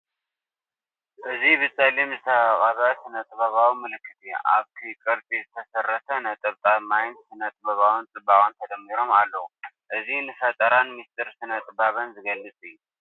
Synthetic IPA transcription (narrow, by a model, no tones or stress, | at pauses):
ʔɨziβɨsʼɐlimzɨt̪ʰakʼɐβɐsɨnɐt̪ʼɨbɐβawimɨlɨkʰːɨt̪ʰiʔa̰βt̪ʰikʼɨɾt̪ʼizɨt̪ʰɐsɐrːɐt̪ʰɐnɐt̪ʼɐβt̪ʼamajnsɨnɐt̪ʼbɐβawɨnt͡sʼɨbaχʼɨnt̪ʰɐd̪ɐmːiɾo̞malːɐu | ʔɨzinɨfɐt̪ʼɐɾanmist̪ʰʼɨɾsɨnɐt̪ʼɨbaβɐnzɨɡɐlːɨt͡sʼɨjːu